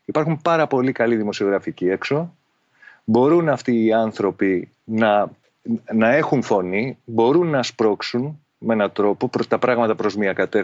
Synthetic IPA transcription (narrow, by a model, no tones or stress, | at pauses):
ipɐɾxumpɐɾɐpo̞likɐliðimo̞sio̞ɣɾɐficie̞kso̞ | bo̞ɾunɐft̪iːɐnθɾo̞pi | nɐ | nɐe̞xunfo̞nibo̞ɾunːɐspɾo̞ksun | mee̞nɐt̪ɾo̞po̞ɾt̪ɐpɾɐɣmɐt̪ɐpɾo̞zmiɐkɐt̪e